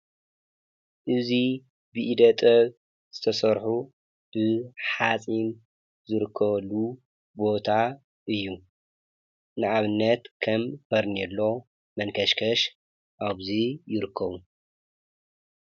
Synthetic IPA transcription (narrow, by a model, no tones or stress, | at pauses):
ʔɨzi | bɨʔid̪ɐt̪ʼɐβ | z̥ɨt̪ʰɐsɐɾħu | b̥ɨħat͡sʼin | zɨɾɨkʰːɐβlu | bo̞t̪ʰa | ʔɨjːu | nɨʔaβɨnːɐt̪kʰɐmbʰɐɾnilːo̞ | mɐnkʰɐʃkʰɐʃ | ʔaβzijɪɾɨkʰːɐβu